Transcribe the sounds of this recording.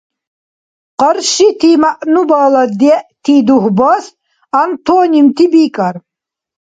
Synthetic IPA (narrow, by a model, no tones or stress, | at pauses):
qɐɾʃit̪ʰimaʔnubaːlad̪ɛʔt̪ʰiːd̪uhbas | ant̪ʰɔːnʲimt̪ʰibikʼar